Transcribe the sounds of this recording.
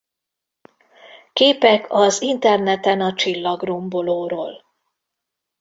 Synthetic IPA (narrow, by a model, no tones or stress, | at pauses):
keːpɛkʰɒzint̪ɛrnɛt̪ɛnɒt͡ʃilːɒɡrombo̞loːɾoːl